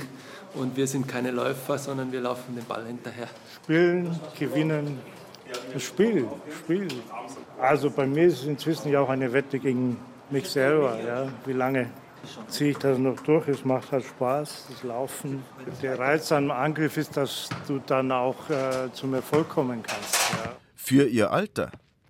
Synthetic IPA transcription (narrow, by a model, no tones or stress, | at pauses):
ʔʊntviːɐzɪntkʰaɪnəlɔ̰ʏfɐzɔndɐnviːɐlaʊfn̩deːnba̰lhɪntɐheːɐʃpiːlənɡ̥əvɪnən | ʃpiːlʃpiːlʔalzobaɪmiːɐɪstsɪnt͡sv̥ɪsn̩jaaʊxaɪnəvɛtəɡeːɡŋ̩ | mɪçz̥ɛlbɐjaːviːlaŋə | t͡siːəɪçd̥asnɔχd̥ʊɐçɛsmaχthaltʃpaːsd̥aslaʊfn̩d̥eːɐʁaɪt͡sanəmʔanɡʁɪfɪstd̥asd̥uːdanaʊxɛːt͡sumiːɐfɔlkʰɔmənkʰanstjjaː | fyːɐʔiːɐʔa̰ltɐ̰